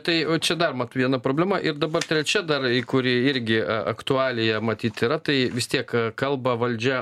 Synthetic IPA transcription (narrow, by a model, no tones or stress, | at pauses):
t̪ɐɪt͡ʃʲɛd̪ɐrmɑt̪ːʋʲiɛnɐpɾoːbʲlʲæmɐʔɪrd̪ɐbɐrt̪ʲɾʲɛt͡ʃʲɛd̪ɐrɪkʊɾʲɪɪɾʲɡʲɪɐ̰kt̪ʊɑːlʲɪjɛmɐt̪ʲiːt̪ʲɪɾɐt̪ɐɪʋʲɪst̪ʲiɛkkɐlˠbɐʋɐlʲd͡ʒʲɛ